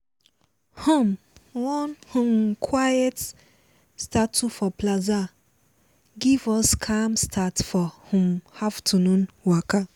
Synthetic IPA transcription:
hɔ̃m | wɔ̃nhʊ̃mkʰwajɛt | stʰatʰːufɔpʰlaza | ɡivɔskʰãmstʰatfɔhʊ̃mhaftʰunũnwakʰa

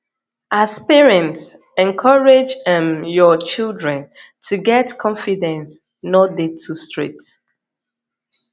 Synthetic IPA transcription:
ʔaspɛɹɛ̃nts | ɛ̃nkʰɔɹed͡ʒɛ̃mjɔt͡ʃildɹɛ̃n | tʰuɡɛtkʰɔ̃ɱfidɛ̃ns | nɔdetʰustɹḛt

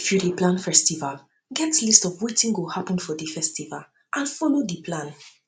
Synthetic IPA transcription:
fɹudiplãnfɛstival | ɡɛtlistɔvwetĩŋɡohapə̃nfɔdifɛstiva̰l | ʔãnfolodipʰlãn

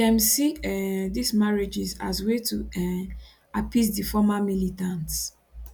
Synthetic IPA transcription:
ɛmsidismaɹed͡ʒizaswetʰu | apis̬difɔmamilitãnt

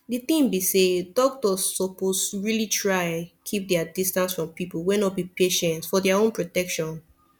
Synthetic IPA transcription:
dit̪ĩmbisedɔk̚tɔsːɔposɹilitʰɹaɪkʰip̚dɛadistãnsfɹɔ̃mpipl̩ˠwɛnɔt̚bipeʃɛ̃ntsfɔdɛaõnpɹotɛkʃɔ̃n

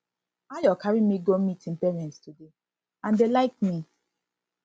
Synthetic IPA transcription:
ajɔkaɹimiɡomitĩŋpɛɹɛ̃ntstude | ãndelaɪk̚mi

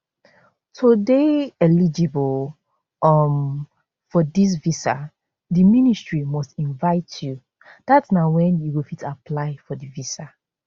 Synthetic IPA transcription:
tʰodeɛlid͡ʒibɔl | ʌm | fɔdis̬visa̰ | diministɹimɔstĩnvaɪtʰju | d̥atsnaʊwɛ̃njuwilfitapʰlaɪfɔdivisa

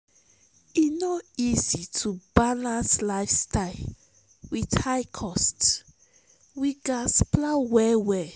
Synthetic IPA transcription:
inɔizitʰubalãnslaɪfstaɪl | widhajkʰɔst | wiɡasplawɛwɛ

